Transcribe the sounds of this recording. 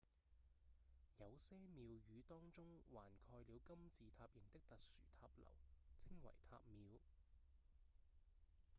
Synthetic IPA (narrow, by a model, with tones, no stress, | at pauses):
jɐ˨˧wsɛː˥miː˨˧wjyː˨˧t̪ɔː˥ŋt͡sʊ˥ŋwaː˨˩nkʰɔː˧jliː˨˧wkɐ˥mt͡siː˨t̪ʰaː˧p̚jɪ˨˩ŋt̪ɪ˥k̚t̪ɐ˨k̚sy̰ː˨˩t̪ʰaː˧p̚lɐ̰˨˩wt͡sʰɪ˥ŋwɐ̰˨˩jt̪ʰa̰ː˧p̚miː˨˧w